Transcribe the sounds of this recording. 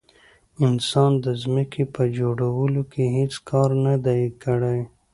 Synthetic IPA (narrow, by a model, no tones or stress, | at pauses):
ɪnsɑːnd̪əzməkipəd͡ʒoɽawəlokeɦit͡skɑːɾnad̪aikəɽaj